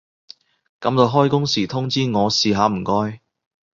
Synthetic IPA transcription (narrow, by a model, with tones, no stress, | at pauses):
kɐ˨˥mt̪o˧wɦɔː˥jkʊ˥ŋsiː˨˩t̪ʰʊ˥ŋt͡siː˥ŋɔː˨˧siː˨ɦaː˨˧m̩˨˩kɔː˥j